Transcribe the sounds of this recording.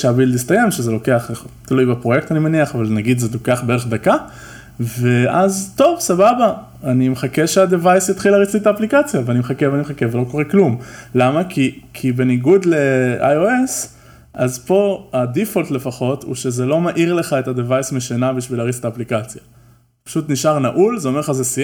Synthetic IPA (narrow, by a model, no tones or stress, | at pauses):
ʃeabild̪ist̪aje̞mʃezelo̞ke̞aχeχt̪ilujbapʁo̞je̞k̚t̪animeniaχavalnaɡid̪zeloke̞aχbeeeχd̪aka | ve̞ʔazt̪o̞vsababa | animeχakeʃeadevajsjatχilaʁit͡sit̪aːplikat͡sjaveanimeχakeveanimeχakevelo̞ko̞ʁeklumlamakʰikʰibe̞niɡud̪lea̰joes | ʔazpo̞adifolt̪le̞faχo̞tṵʃe̞zelo̞maʔiʁle̞χaetad̪evajsmeʃanabiʃvilaːʁit͡se̥taːplikat͡sja | pḁʃutniʃʔaʁnaʔulzeo̞melχazesi